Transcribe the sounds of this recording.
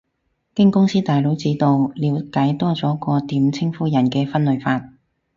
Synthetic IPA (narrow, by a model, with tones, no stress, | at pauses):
kɪ˥ŋkʊ˥ŋsiː˥t̪aː˨jlo˨˥wt͡siː˨˥t̪o˨˧wliː˨˧˥wkaː˨˥jt̪ɔː˥t͡sɔː˨˥kɔː˧t̪iː˨˥mt͡sʰɪ˥ŋfuː˨˥jɐ˨˩nkɛː˧fɐ˥nlɵ˨˧ɥfaː˧t̚